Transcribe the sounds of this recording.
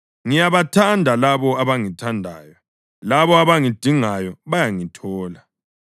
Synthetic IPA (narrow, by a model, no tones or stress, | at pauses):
ŋijaβatʰandʱalaβɔaβaŋitʰandʱa̰ːjɔ | laβɔaβaŋid̥ʱiŋajɔβajaŋitʰɔːla